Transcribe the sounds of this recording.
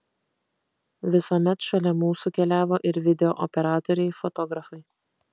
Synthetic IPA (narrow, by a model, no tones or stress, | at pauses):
ʋʲɪsuɔmʲɛt̪ʃɐlʲɛmuːsuːˑkʲɛlʲæːʋoːʔɪɾʋʲɪd̪ʲɛoːʔɔpʲɛɾɑːt̪ɔɾʲɛɪfɔt̪ɔɡɾɐfɐɪ